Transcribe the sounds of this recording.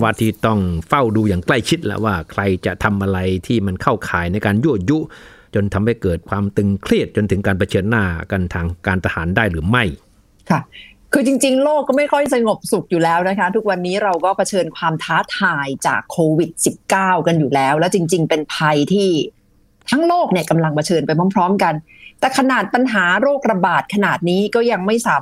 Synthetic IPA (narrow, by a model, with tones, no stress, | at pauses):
wa˦˥ʔt̪ʰiː˥˩t̪ɔ˥˩ŋfa˥˩wduː˧jaː˨˩ŋkla˥˩jkʰi˦˥t̪̚lɛ̰˧˥waː˥˩kʰɾa˧jt͡ɕa˨˩ʔt̪ʰa˧mʔa˧ɾa˧jt̪ʰiː˥˩ma˧nkʰa˥˩wkʰaː˨˦jna˧jkaː˧nju˥˩˨ju˦˥ʔ | t͡ɕo˧nt̪ʰa˧mha˥˩jkɤː˨˩t̪̚kʰwaː˧mt̪ɯ˧ŋkʰli˥˩ət̪̚t͡ɕo˧nt̪ʰɯ˩˦ŋkaː˧npʰa˧t͡ɕʰɤː˧nːaː˥˩ka˧nt̪ʰaː˧ŋkaː˧nt̪ʰa˧ha̰ː˩˦ndaː˥˩jɾɯː˩˦ma˥˩j | kʰa˥˩kʰɯː˧t͡ɕi˧ŋt͡ɕi˧ŋloː˥˩kːɔː˥˩ma˥˩jkʰɔ˥˩jsa˧ŋo˨˩p̚su˨˩k̚juː˨˩lɛː˦˥wna˦˥kʰa˦˥t̪ʰu˦˥k̚wa˧nːiː˦˥ɾa˧wkɔː˥˩pʰa˧t͡ɕʰɤː˧nkʰwaː˧mt̪ʰaː˦˥t̪ʰaː˧jt͡ɕa̰ː˨˩kʰːoː˧wi˨˩t̪̚si˨˩p̚kaː˥˩wka˧njuː˨˩lɛː˦˥wlɛː˦˥wt͡ɕi˧ŋt͡ɕi˧ŋpe˧npʰa˧jt̪ʰiː˥˩ | t̪ʰa˦˥ŋloː˥˩k̚ni˥˩ɐka˧mla˧ŋpʰa˧t͡ɕʰɤː˧npa˧jpʰɔ˦˥mpʰɾɔː˦˥mka˧n | t̪ɛː˨˩kʰa˧naː˨˩t̪̚pa˧nɦaː˩˦ɾoː˥˩k̚ɾa˧baː˨˩t̪̚kʰa˧naː˨˩t̪̚niː˦˥kɔː˥˩ja˧ŋma˥˩jsaː˨˦